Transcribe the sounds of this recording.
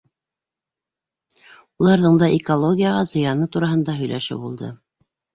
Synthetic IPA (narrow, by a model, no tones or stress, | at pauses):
ulˠɑɾðɤɴd̪ɑʔikolˠoɡʲijaʁɑzɤ̆jɑnɤt̪uɾɑɦɤ̆nd̪ɑɦɵ̆jlʔæ̰ʃɘ̰bulˠd̪ɤ̰